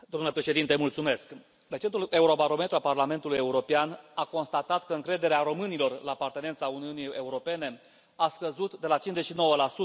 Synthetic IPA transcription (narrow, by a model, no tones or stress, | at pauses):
d̪omnulepɾe̞ʃe̞d̪int̪emult̪sume̞sk | lek̚t͡ʃe̞nt̪ule̞uɾo̞baɾo̞me̞t̪ɾualparlame̞nt̪uluje̞uɾo̞peanako̞nst̪at̪at̪kəɨŋkɾe̞d̪e̞ɾeaɾo̞mɨnilo̞rlaːpart̪e̞ne̞nt̪sauniunie̞uɾo̞pe̞ne̞ | askəzut̪d̪e̞lat͡ʃint͡ʃzet͡ʃʃino̞wəlasu